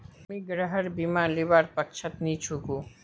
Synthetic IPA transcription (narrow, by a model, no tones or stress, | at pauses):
miɡɾaɦəɾbimalibaɾpakʃʰat̪nit͡ɕʰuɡu